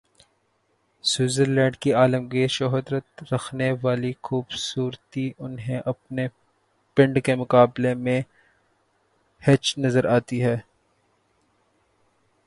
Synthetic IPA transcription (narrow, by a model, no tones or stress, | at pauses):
swɪːzəɾlɛ̃ːɳɖkiaːləmɡeʃɔɦd̪ɾət̪ɾɐxʰneʋaːlixuːbsuːɾt̪iʔʊnɦẽʔɐpne | pɪ̃ɳɖkemʊkaːblemẽ | hɛt͡ʃnɐzəɾʔaːt̪iɦɛː